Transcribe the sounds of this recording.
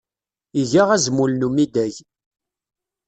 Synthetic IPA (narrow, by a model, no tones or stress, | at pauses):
iʝaʁæzmulnumid̪æʝ